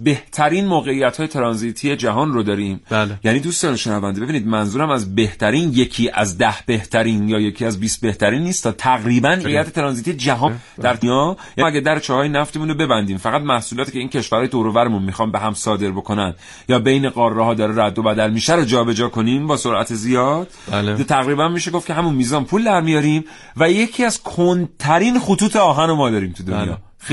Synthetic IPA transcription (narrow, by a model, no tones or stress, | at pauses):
be̞ht̪ʰæɾiːnmoːɣe̞ijːæt̪hɒːjet̪ʰeɾɒnzit̪ʰije̞d͡ʒæɦɒːnrod̪ɒːɾiːmjæniːd̪uːst̪ɒːneʃenævænd̪eeiniːd̪mænzuːɾæmæzbe̞ht̪ʰæɾiːnje̞cʰiːʔæzd̪æhb̥e̞ht̪ʰæɾiːnjɒːje̞cʰiːæzbiːst̪̚be̞ht̪æɾiːnːiːst̪ʰɒːt̪ʰæɣɾiːbænejæt̪ʰet̪eɾɒːnziːt̪ʰijed͡ʒæɦɒːd̪æɾt̪ijɒːjɒæɡʲæd̪æɾet͡ʃʰɒːhɒːjenæft̪emuːnobe̞bænd̪iːmfæɣæt̪mæhsuːlɒːt̪ʰiːcʰeiːncʰe̞ʃvæɾhɒːjeoɾovæɾemunmixɒːnbeɦæmsɒːd̪e̞ɾbo̞kʰo̞nænd̪ | jɒːbejneɣɒːrːeɦɒːd̪ɒːɾeɾæd̪ːo̞bæd̪ælmiːʃæɾod͡ʒɒːbe̞d͡ʒɒːkʰo̞niːmbɒːso̞ɾʔæ̰t̪ʰezijɒːd̪̥t̪ʰæɣɾiːbænmiːʃeɡo̞fcʰe̞ɦæmunmiːzɒːnpʰuːld̪æɾmijɒɾim | væje̞cʰiːæzkʰont̪ʰæɾinχut̪ʰuːt̪ʰeɒːɦæno̞mɒːd̪ɒːɾiːmt̪ʰud̪onjɒ̰ː